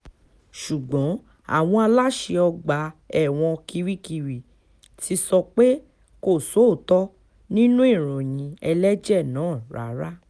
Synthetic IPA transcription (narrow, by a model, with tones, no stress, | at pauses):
ʃu˨ɡ͡bɔ̃˨˦ | a̰˦˨w̃ɔ̃˧a˧la˦ʃe˧ɔ˧ɡ͡ba˨˦ɛ˦˨w̃ɔ̃˧kʰi˧ɾi˦ki˧ɾi˨ | tʰi˧˦sɔ˧k͡pe˦ | ko˦˨so˨˦˨tɔ˦ | nĩ˦nũ˦i˦˨ɾ̃ɔ̃˨j̃ĩ˧ɛ˧lɛ˦d͡ʒɛ˦˨nãː˨˦˨ɾa̰˨˦ɾa˦